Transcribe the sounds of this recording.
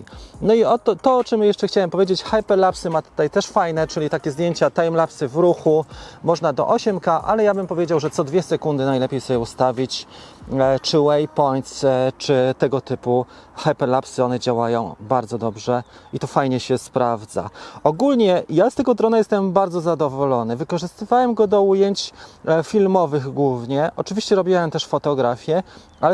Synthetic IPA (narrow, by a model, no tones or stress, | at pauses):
nɔiɔt̪ɔt̪ɔɔt͡ʂɛmjɛʂt͡ʂɛxt͡ɕawɛmpɔvjed͡ʑet͡ɕxajpɛɾlapsɘmat̪u̥t̪ajt̪ɛʂfajnɛt͡ʂɘlʲit̪akʲɛzd̪jeɲt͡ɕat̪ajmlapsɘvɾuxumɔʐnad̪ɔ̰ʔɔɕɛmkaʔa̰lɛjabɘmpɔvʲjed͡ʑawʐɛt̪sɔd̪vʲjɛsɛkund̪ɘnajlɛpʲejsɔbʲɛust̪avʲit͡ɕ | t͡ʂɘwɛjpɔjt̪st͡ʂɘt̪ɛɡɔt̪ɘpu | xɛpɛlapsɔnɛd͡ʑawajɔ̃w̃baɾd̪zɔd̪ɔbʐɛit̪ɔfajɲɛɕɛspɾavd̪za̰ɔɡulɲɛjast̪ɛɡɔd̪ɾɔnajɛst̪ɛmbaɾd̪zɔzad̪ɔvɔlɔnɘvɘkɔʐɘst̪ɘvawɛmɡɔd̪ɔujeɲt͡ɕfʲilmɔvɘɣɡwuvɲɛʔɔt͡ʂɘvʲiɕt͡ɕɛɾɔbʲjiwɛmt̪ɛʂfɔt̪ɔɡɾafʲjɛ | alɛ